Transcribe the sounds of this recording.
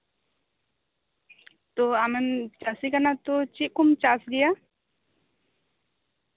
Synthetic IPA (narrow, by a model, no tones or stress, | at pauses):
t̪oamemt͡ʃasikənat̪ot͡ʃiʔkumt͡ʃasɡija